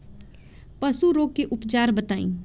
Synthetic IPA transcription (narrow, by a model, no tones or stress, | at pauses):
pəsuːɾoːkːeʔʊpd͡ʒaːɾbət̪aːḭ̃ː